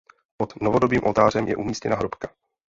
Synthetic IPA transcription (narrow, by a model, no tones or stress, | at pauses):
pot̪novodobiːmʔolt̪aːr̝ɛmjɛ̰ʔumiːscɛ̰naɦɾopka